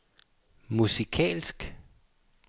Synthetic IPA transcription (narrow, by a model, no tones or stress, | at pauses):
musikʰɛ̰ːlsɡ̥